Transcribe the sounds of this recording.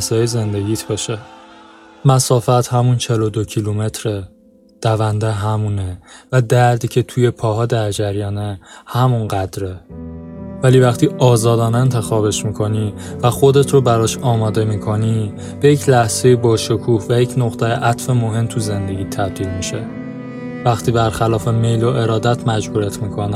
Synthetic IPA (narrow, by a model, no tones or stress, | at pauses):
zɒːjeze̞nd̪e̞ɟiːt̪ʰbɒːʃe | mæsɒːfæt̪hæmunt͡ʃʰe̞lod̪ocʰilume̞t̪ʰɾe | d̪̥ævænd̪eɦæmunevæd̪æɾd̪iːcʰe̞t̪ʰuje̞pʰɒːɦɒːd̪æɾd͡ʒæɾjɒːne̞hæmunɢæd̪ɾe | væliːvæχt̪ʰiːɒːzɒːd̪ɒːneent̪ʰe̞xɒːbe̞ʃmikʰo̞nivæxo̞d̪e̞t̪ʰɾobæɾɒːʃɒːmɒːd̪e̞miːkʰo̞ni | b̥e̞jecʰlæhz̥e̞jebɒːʃokʰuːhvæjecʰnoɣt̪ʰæjeʔæt̪ʰfe̞moɦe̞mt̪ʰuze̞nd̪e̞ɟiːt̪ʰæb̚d̪iːlmiʃe̞ | væxt̪ʰiːbæɾxælɒːfeme̞jloʔe̞ɾɒːd̪æt̪ʰmæd͡ʒbuːɾet̪ʰmiːkʰo̞ne